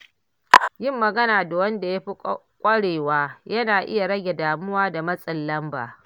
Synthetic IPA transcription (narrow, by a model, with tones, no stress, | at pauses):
jɪ˦˨mːɐ˨ɡɐ˦naː˨da˨wɐ˦nda˨ja˦ɸi˦ | kʷʼɐ˦ɽeː˨waː˦jɐ˦naː˨ʔɪ̰˦ja˨ɽɐ˦ɡʲe˨daː˨mʊ˦waː˦da˨mɐ˦sʼɪ˨lːɐ˦mba̰ː˨